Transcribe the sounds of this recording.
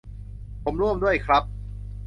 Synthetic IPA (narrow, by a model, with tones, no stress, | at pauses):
pʰo˩˦mɾu˥˩əmdu˥˩əjkʰɾa˦˥p̚